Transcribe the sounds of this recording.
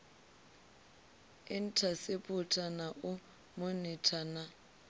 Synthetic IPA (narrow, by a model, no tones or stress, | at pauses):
ɪn̩tʰasɪpʼʊtʰʼanaʔʊ | monɪtʰʼana